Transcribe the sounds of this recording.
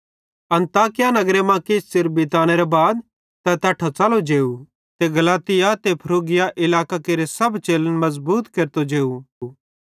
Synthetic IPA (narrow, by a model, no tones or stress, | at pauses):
ɐ̃nt̪aːkɪjanɐɡɾemãkessɪɾbɪt̪aːñeɾebaːd̪ | t̪ɐt̪ɐʈʰot͡saːlod͡ʒeːu | t̪eɡɐlaːt̪ɪjat̪epʰɐɾoːɡɪjaʔɪlaːkakeɾesɐbt͡ʃeːlənmɐzbuːt̪keːɾt̪od͡ʒeːu